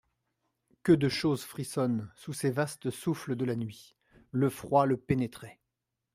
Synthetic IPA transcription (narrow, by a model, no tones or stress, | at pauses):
kəd̪əʃozfχisɔnsusevast̪əsufləd̪əlanɥi | ləfχwaləpenet̪χɛ